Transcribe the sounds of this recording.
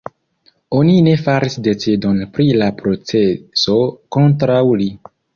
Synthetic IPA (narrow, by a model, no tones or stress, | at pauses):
o̞nine̞faɾisde̞t͡sidonpɾilapɾo̞t͡se̞so̞ko̞ntɾawli